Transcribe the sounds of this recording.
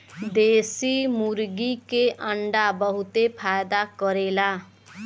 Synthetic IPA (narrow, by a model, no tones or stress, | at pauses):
d̪esimuɾɡikeʔaɳɖabʌɦut̪epʰajd̪akʌɾela